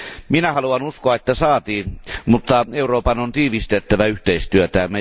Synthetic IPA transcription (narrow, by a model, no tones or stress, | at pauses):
minæhɑluɑnuskoɑet̪ːæsɑːt̪iːnmut̪ːɑeuroːpɑnont̪iːʋist̪et̪ːæʋæyht̪eist̪yøt̪æːmme